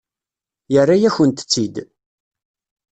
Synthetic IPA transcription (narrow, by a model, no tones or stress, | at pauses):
jərːajæçənt̪ə̥t͡sːid̪